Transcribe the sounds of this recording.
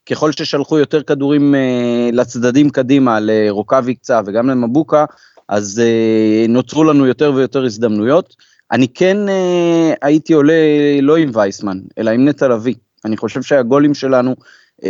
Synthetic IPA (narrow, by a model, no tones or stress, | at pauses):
ke̞χo̞lʃe̞ʃalχujo̞t̪e̞ʁkad̪uʁimelat͡sd̪adimkadimaleʁo̞kavik̚t͡save̞ɡamlemabuka | ʔazeno̞t͡sʁulanujo̞te̞ʁve̞jo̞te̞ʁizd̪amnujo̞t̪ | ʔa̰nikʰe̞neaitio̞le̞lo̞imvajsmane̞̰laimnet̪alavi | aniχo̞ʃe̞vʃeaɡo̞limʃe̞lanu